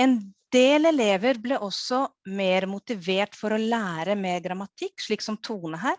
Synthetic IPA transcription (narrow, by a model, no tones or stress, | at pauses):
ɛnd̪eːlɛleːʋəɾblɛʔɔsːɔmeːɾmʊt̪ɪʋeːʈfɔɾɔlæːɾəmeːɾɡɾɑmɑt̪ʰɪkːʂɭiːksɔmt̪ʰuːnəɦæːɾ